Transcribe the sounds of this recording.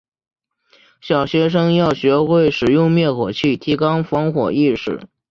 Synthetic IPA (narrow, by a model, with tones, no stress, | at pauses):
ɕjɑ˨˩ʊɕɥɛ˧˥ʂ̬ɤ˥ŋjɑ˥˩ʊɕɥɛ˧˥xwe˥˩ɪʂɻ̩˨˩jʊ˥˧ŋmjɛ˥˩nxwɔ˨˩t͡ɕʰi˥˩t̪ʰi˧˥kɑ˥ŋfɑ˧˥ŋxwɔ̰˨˩i˥˧ʂɻ̩˨˩˦